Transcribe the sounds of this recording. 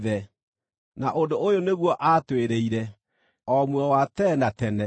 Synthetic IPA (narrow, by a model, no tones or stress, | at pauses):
ðɛ | naʔondoojoneɣwɔʔatweɾeiɾɛ | ɔmwɔwatɛnatɛnɛ